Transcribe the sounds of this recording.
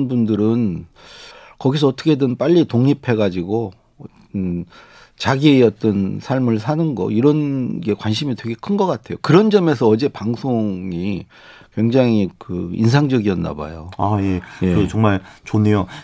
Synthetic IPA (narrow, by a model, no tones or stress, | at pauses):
nbundɯɾɯn | kʌɡis̬ʰʌːtʰʌ̥kʰedɯnp͈aʎːitoŋɲipʰe̞ɡad͡ʑiɡo | n | t͡ɕaɡieʌt͈ʌnsʰaɭmɯɭsʰanɯnɡʌ̰iɾʌnɡe̞kwanɕʰimitwe̞ɡe̞kʰɯnɡʌk͈atʰe̞jokɯɾʌnd͡ʑʌme̞s̬ʰʌʌd͡ʑe̞paŋsʰoŋi | kweŋd͡ʑaŋikɯḭnsʰaŋd͡ʑʌɡiʌnːa̰ba̰joaje̞jeɯt͡ɕʌŋmaɭt͡ɕonejo